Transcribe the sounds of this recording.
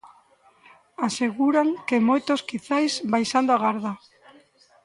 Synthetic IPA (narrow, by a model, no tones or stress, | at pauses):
aseɣuɾaŋkemojt̪oskiθajsbajsand̪oaɣaɾða